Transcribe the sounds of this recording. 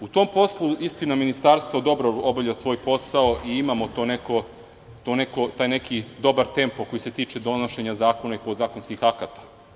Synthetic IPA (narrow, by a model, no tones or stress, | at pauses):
ut̪o̞mpo̞slˠuist̪inaminist̪aɾst̪ʋod̪o̞bɾoobavʎʲasʋo̞ːjpo̞saoʔiimamot̪oːneko̞ | t̪one̞ko̞t̪aːjnekid̪o̞baɾt̪e̞mpoko̞jiset̪iːt͡ʃe̞d̪o̞noʃe̞ɲazaːko̞naipod̪zaːko̞nskixakat̪ḁ